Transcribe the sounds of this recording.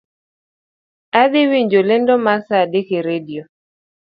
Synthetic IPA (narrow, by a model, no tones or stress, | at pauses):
ad̪ɪwiɲd͡ʒolendomasadekeɾedio